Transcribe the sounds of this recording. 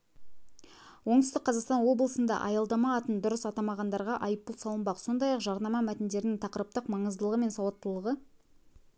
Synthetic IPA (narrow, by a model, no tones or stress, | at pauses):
wo̞ɴt̪ʏst̪ɪk̚qʰːɑzɑqst̪ɑnwo̞blˠəsənd̪ɑ̰ʔɑjɑlˠd̪ɑmɑːt̪ənd̪ʊɾəsɑt̪ɑmɑʁɑnd̪ɑɾʁɑʔɑjəp̪̚ːəlˠsɑlˠəmbɑqso̞nd̪ɑjɑqʒɑɾnɑmɑmæt̪ɪnd̪e̞ɾɪnɪŋt̪ʰɑqəɾəp̚t̪əqmɑɴəzd̪əlˠəʁəme̞nsɑwɑt̪ːəlˠəʁə